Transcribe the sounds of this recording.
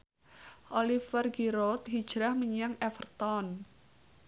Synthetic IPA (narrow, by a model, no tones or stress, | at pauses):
olifərɡiɾot̪ɦid̥ʒ̥ɾahməɲaŋɛfərt̪ɔn